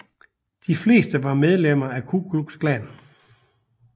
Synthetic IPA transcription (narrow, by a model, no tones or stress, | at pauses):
d̥ifle̝̰ːsd̥əʋɑ̈með̞ˠlem̰ɐækʰuɡ̥luɡ̥sɡ̥læn